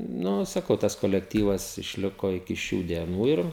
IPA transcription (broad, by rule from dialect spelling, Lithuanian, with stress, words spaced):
ˈnʊ sɐˈkɐʊ tɐs koːlʲɛkˈtʲiːʋɐs ɪʃʲˈlʲɪkoː ɪkʲɪ ˈʃʲuː dʲiɛˈnuː ɪr